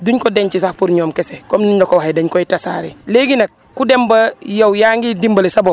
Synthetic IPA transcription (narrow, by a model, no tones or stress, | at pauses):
duɲkodeɲt͡ʃisahpuɾɲoːmkesekomniɲdokowahedɐɲkoitasa̰ɾḛleɡinɐk̚ | kːudembɐjɐwjaːŋɡidimbɐlesɐbo